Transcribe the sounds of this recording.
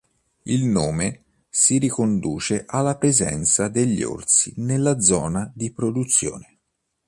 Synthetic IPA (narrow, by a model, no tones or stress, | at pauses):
ilnoːme | siɾikond̪ṵːt͡ʃeʔalːapɾezɛ̰nt̪sad̪eʎːo̰rt̪sḭnelːad̪zɔːnad̪ipɾod̪ut̪sːjo̰ːne